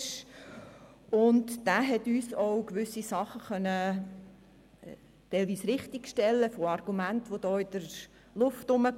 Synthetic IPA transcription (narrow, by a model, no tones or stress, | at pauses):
ʃ | ʊntd̥æːɦɛtyːsɔwkʋʏsisɑχəχœnːə | tɛɪlʋiːsɾɪχtikʃtɛlːəfoɑrɡ̥umæntʋod̥ɔːɪd̥əɾ | lʊftʊmə